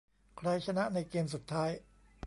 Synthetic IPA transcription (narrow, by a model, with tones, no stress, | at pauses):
kʰɾa˧jt͡ɕʰa˧na˦˥ʔna˧jkeː˧ms̬u˨˩t̪ʰːaː˦˥j